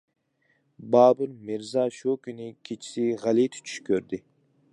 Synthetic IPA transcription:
bɑːbɨlmɪɾzɑʃukʲʰynɪkʲʰet͡ʃʰi̥sɪʁælit̪ʰy̥t͡ʃʰy̥ʃkʲʰøɾd̪ɪ

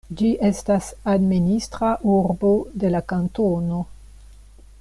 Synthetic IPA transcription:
d͡ʒiʔe̞stasadministɾaʔuɾbo̞de̞lakantono̞

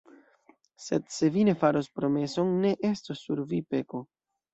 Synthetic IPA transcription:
se̞̰dse̞vine̞faɾo̞spɾo̞me̞so̞nːe̞ʔe̞stosːuɾvipe̞ko̞

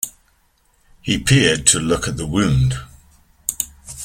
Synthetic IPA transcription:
hipʰɪəd̚tʰəlʊkəʔ̪̚ðəwʉ̃ːnd̥

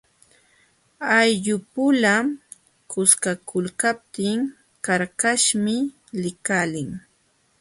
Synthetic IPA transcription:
ajʎʊpʊla | kʊskakʊlkap̚t̪ɪŋ | kaɾkaʃmɪ | lɪkalɪŋ

